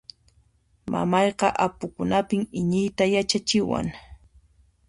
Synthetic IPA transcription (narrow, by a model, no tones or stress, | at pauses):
ma̰mɑjqɑʔapʊkʊnapɪmɪɲɪjt̪ajat͡ʃat͡ʃɪwa̰ŋ